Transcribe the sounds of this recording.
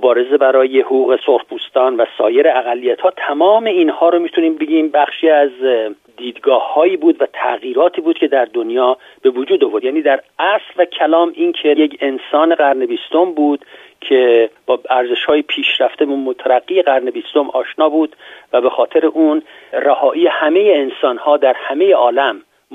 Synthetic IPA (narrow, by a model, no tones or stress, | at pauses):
mobɒːɾe̞ze̞bæɾɒːje̞hoɣuːɣe̞soɾhbuːst̪ɒːnvæsɒːje̞ɾeæɣælːijæt̪hɒːt̪ʰæmɒːme̞inhɒːɾomiːt̪ʰuniːmbe̞ɟiːmbæχʃiːæz | d̪iːd̪ɡɒːhːɒːjiːbuːd̪væt̪ʰæ̰ɣiːɾɒːt̪ʰiːbuːd̪cʰe̞d̪æɾd̪o̞njɒː | b̥e̞vod͡ʒuːd̪ovoɾd̪jæːniːd̪æɾæslvæcʰælɒːmiːnkʰejekensɒːneɣæɾnebiːst̪o̞mbuːd̪̥ | cʰe̞b̥ɒːæɾze̞ʃhɒːjepʰiːʃɾæft̪emumot̪ʰæɾæɡːijeɣæɾnebiːst̪o̞mʔɒːʃnɒːbuːd̪væbe̞xɒːt̪ʰe̞ɾeʔuːnræhɒːʔiːehæme̞jeːnsɒːnhɒːd̪æɾhæmeje̞ʔɒːlæm